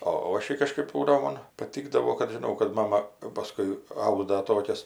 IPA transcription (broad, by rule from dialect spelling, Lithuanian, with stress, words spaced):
oː ˈoːʃʲɛɪ kɐʃˈkɜp ˈbuːdɐʋoː ˈmoːn pɐˈtʲiːɡdɐʋoː kɐt ˈʒʲɪnɐʊ kɐt ˈmɑːmɐ jɛʊ pɐˈskʊɪ ˈɐʊdɐ ˈtoːkʲɛs